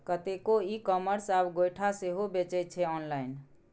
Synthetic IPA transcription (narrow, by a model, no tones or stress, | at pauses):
kət̪ekoikɔməɾsabɡojʈʰaseɦobet͡ʃɛt͡ʃʰɛɔnlaɪn